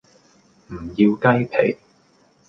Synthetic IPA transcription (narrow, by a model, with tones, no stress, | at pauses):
m̩˨˩jiː˧wkɐ˥jpʰḛ˨˩j